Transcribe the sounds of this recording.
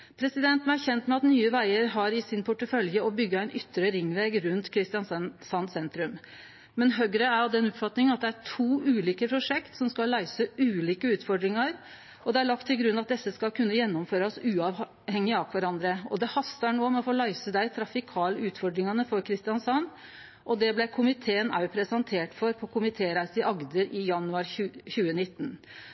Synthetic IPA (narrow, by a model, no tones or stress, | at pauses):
pʰɾɛsɪd̪ɛnt̪m̩ɛæɾçɛnt̪mɛɑt̪nyːəʋæɪəɾɦɑɾɪsɪnpʰʊʈːəfœljəɔbʏɡːəæɪnʔʏt̪ːəɾəɾɪŋːʋeːɡɾʉnt̪kʰɾɪst̪ɪjɑnsɑnsɛnt̪ɾʉm | mɛnɦøɡɾəæɾjɔd̪ɛnɔpfɑt̪nɪŋənɑt̪̚d̪ɛæʈʰuːʔʉːliːkəpʰɾʊʂɛkt̪sɔmskɑllːæɪsəʉːliːkəʉːt̪fɔɖɾɪŋɑɾ | ɔd̪ɛæɭɑk̚t̪ʰːɪlɡɾʉnːɑt̪̚d̪ɛsːəskɑlkʰʉnːəjɛnːɔmføːɾɑsʉːɑʋ | hɛŋːɪɑːkʰʋæɾɑnd̪ɾəɔ̰d̪ɛhɑst̪ɑɳoːmɛɔfoːlæɪsəd̪æɪt̪ʰɾɑfɪkʰɑːləʉːt̪fɔɖɾɪŋɑnəfɔɾkʰɾɪst̪ɪjɑnsɑnː | ʔɔd̪ɛblɛkʰʊmɪt̪ʰeːənʔɑ̰ʉpʰɾɛsɑnt̪ʰeːʈfɔɾpʰɔkʰʊmɪt̪ʰeːɾæɪsɪʔɑɡd̪əɾɪjɑnʉɑɾʉçʉːənɪt̪ːn